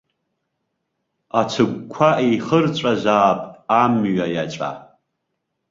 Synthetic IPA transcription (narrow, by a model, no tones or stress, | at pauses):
at͡ʃʷʰɨɡʷkʷʰaejχərt͡ʃʷʼazʷaːpʼamɥajat͡ʃʷʼa̰